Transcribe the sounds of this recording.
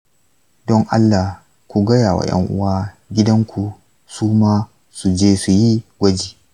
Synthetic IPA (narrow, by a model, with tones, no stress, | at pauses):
dɔ˦ŋʔa˦lːa˨ | kʷu˨ɡɐ˦jaː˨wa̰˨jɐ̰˦ŋʔʊ̰˦waː˦ | ɡʲɪ˦dɐ˦ŋkʷʰu˨ | suː˦maː˦ | su˨d͡ʒeː˦su˨ji˦ɡʷɐ˦d͡ʒiː˨